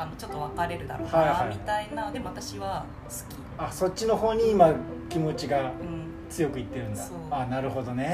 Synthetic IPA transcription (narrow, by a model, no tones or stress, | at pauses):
anot͡ɕo̞t̪ːoβakaɾe̞ɾɯ̟d̪a̰ɾohaihaiit̪ainad̪e̞moat̪aɕiβa | sɨ̥kʲi | aso̞tʲt͡ɕːino̞ɦo̞ːɲ̟iimakʲimo̞t͡ɕiɡa | t͡sɨjo̞kɯ̟it̪ːe̞ɾɯ̟̃nd̪a | anaɾɯ̟ho̞d̪o̞ne̞